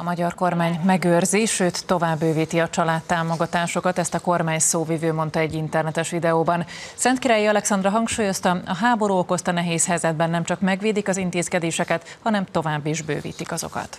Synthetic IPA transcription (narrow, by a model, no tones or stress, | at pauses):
ɒmɒɟɒrko̞rmaːɲmɛɡøːrziʃøːt̪ːo̞vaːbːøːviːt̪iɒt͡ʃɒlaːt̪ːaːmo̞ɡɒt̪aːʃo̞kɒt̪ɛst̪ɒko̞rmaːɲsoːvivøːmo̞nt̪ɒɛɟːint̪ɛrnɛt̪ɛʃʋid̪ɛoːbɒnsɛnt̪kiɾaːjiɒlɛksɒnd̪rɒɦɒŋkʃuːjo̞st̪ɒɒɦaːboɾuːoko̞st̪ɒnɛɦeːshɛjzɛd̪̚bɛnːɛmt͡ʃɒkmɛɡviːd̪ikɒzint̪eːskɛd̪eːʃɛkɛt̪hɒnɛmt̪o̞vaːbːiʒbø̰ːvḭːt̪ikɒzo̞̰kɒ̰t̪